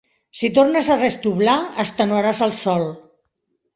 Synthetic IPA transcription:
sit̪oɾnəzarest̪uβlaəst̪ənuaɾazəlˠsɔlˠ

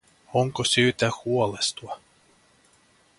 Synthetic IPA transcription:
oŋkosyːt̪æhuolest̪uɑ

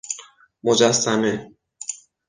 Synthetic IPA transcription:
mod͡ʒæsːæme

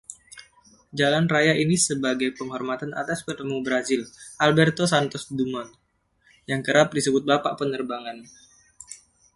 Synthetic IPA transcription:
d͡ʒalanrajaʔinisəbaɡajpəŋɦɔrmat̪ana̰t̪aspərt̪əmubəɾazɪlʔalbɛrt̪osant̪ɔsdumɔn | jaŋkəɾap̚disəbʊt̪̚bapaʔpənərbaŋan

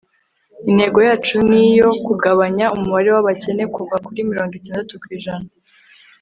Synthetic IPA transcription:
in̥he̞ɡo̞jaːt͡ʃunijo̞kuɡaβaɲaumuβaɾe̞waβace̞ne̞kuɡakuɾimiɾoːŋɡitaːndatukwiːʒana

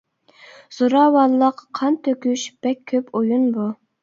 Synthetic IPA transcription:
z̥oɾɑːwɑnlˠlːˠəqʰːɑnt̪ʰøkʲyʃb̥ɛkʲʰːøpʰojunbu

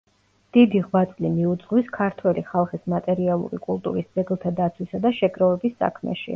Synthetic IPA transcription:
d̪̥id̪iʁwat̪sʼlimiud̪zʁwiskʰaɾt̪ʰwɛliχalˠχismat̪ʼɛɾialˠṵɾḭkʼulˠt̪ʼṵɾisd̪z̥ɛɡlˠt̪ʰad̪at̪sʰwisad̪aʃɛɡɾɔvɛbisːa̰kʰmɛ̰ʃḭ

